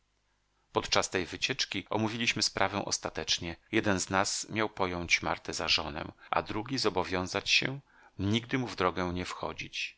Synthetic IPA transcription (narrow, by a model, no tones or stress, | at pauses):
pɔt̪t͡ʂast̪ɛjvɘt͡ɕɛt͡ʂkʲiʔɔ̰muvʲilʲiɕmɘspɾʔavɛw̃ʔɔ̰st̪at̪ɛt͡ʂɲɛjɛd̪ɛnznasmʲjawpɔjɔɲ̃t͡ɕma̰ɾt̪ɛzaʐɔnɛ̰wʔa̰d̪ɾuɡʲizɔbɔvʲjɔ̃w̃zat͡ɕɕɛ̰ | ɲiɡ̚d̪ɘmuvd̪ɾɔɡɛ̃ɲɛfxɔ̰d͡ʑit͡ɕ